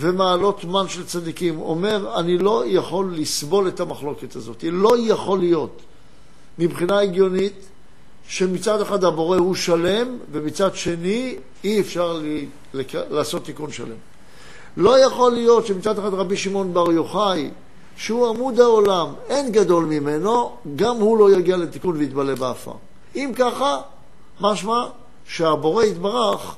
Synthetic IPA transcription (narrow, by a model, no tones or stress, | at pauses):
ve̞maːlo̞t̪manʃelt͡sad̪ikimo̞̰me̞ʁanilo̞jaχo̞lːisbo̞le̞thamaχlo̞ket̪azo̞t̪ilo̞jaχo̞lijo̞t̪ | mibχinaeɡjo̞nit̪ | ʃe̞mit͡sad̪eχad̪habo̞ʁe̞huʃale̞mvemit͡sadʃe̞ni | iefʃaʁli | lelaːso̞t̪ːikunʃa̰le̞̰m | lo̞jaχo̞lijo̞t̪ʃemit͡sad̪eχad̪ʁabiʃimo̞nbaʁjoχaj | ʃehuamud̪aolame̞nɡado̞lmime̞no̞ɡamhulo̞jaɡialet̪ikunveit̪bale̞beafa̰ | imkaχa | maʃma | ʃeabo̞ʁe̞it̪baʁaχ